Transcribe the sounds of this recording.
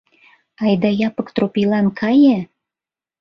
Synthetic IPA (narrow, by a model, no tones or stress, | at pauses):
ɑjd̪ɑjɑpə̆kt̪ropilɑnkʰɑjĕ